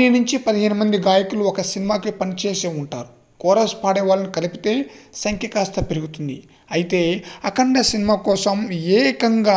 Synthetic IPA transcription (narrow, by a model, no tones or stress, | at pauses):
inuɲt͡ʃipɐd̪iɦeːnumɐnd̪iɡaːjɐkuluɔkɐsinimaːkipɐnit͡ʃe̞ːseːuɳʈa̰ːɾu | kɔːɾɐspaːɽɛːʋaːlɐnikɐlipit̪e̞ːsɐŋkʰjɐkaːst̪ɐpiɾuɡut̪und̪i | ɐjit̪e̞ːɐkɐɳɖɐsinimaːkɔːsɐmeːkɐŋɡaː